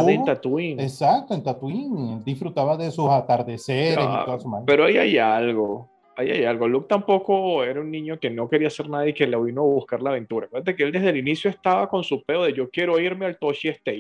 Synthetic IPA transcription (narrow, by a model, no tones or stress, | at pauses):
ent̪at̪wiŋesak̚t̪oent̪at̪wiŋd̪isfɾut̪aβaðesusat̪aɾðeseɾesosomape̞ɾoaia̰jalɣo | aja̰jalɣo̞luk̚t̪ampo̞ko̞e̞ɾaunnĩɲo̞ke̞no̞keɾiase̞ɾnaðjeke̞laβinoaβuskaɾlaβ̞ẽ̞nt̪uɾakweɾðat̪ekeeld̪e̞zðe̞linisjoe̞st̪aβako̞nsupe̞oðeʝo̞kje̞ɾo̞iɾmealt̪oʃiest̪e